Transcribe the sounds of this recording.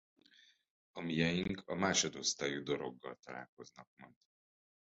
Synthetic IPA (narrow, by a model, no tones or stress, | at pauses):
ɒmijɛjiŋkʰɒmaːʃo̞d̪o̞st̪aːjud̪o̞ɾo̞̰ɡːɒ̰lt̪ɒla̰ːlko̞znɒk̚mɒnt̪